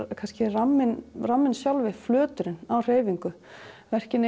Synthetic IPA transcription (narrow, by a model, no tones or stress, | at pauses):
kʰanscɪramːɪnramːɪnsjawlvɪflœːt̪ʏɾɪnawr̥eːjviŋkʏ | vɛr̥cɪn